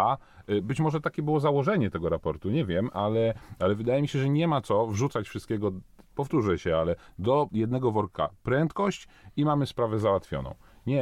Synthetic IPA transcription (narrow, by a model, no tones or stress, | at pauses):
abɘt͡ɕmɔʐɛt̪akʲɛbɘwɔzawɔʐɛɲɛt̪ɛɡɔɾapɔɾt̪uɲɛvʲjɛmʔalɛalɛvɘd̪ajɛmʲiɕɛʐɛɲɛmat̪sɔvʐut̪sat͡ɕfʂɨst̪kʲɛɡɔpɔft̪uʐɛɕɛalɛd̪ɔjɛd̪nɛɡɔvɔɾka̰pɾɛnt̪kɔɕt͡ɕ | imamɘspɾavɛzawat̪fʲjɔ̰nɔ̰̃w̃ɲɛ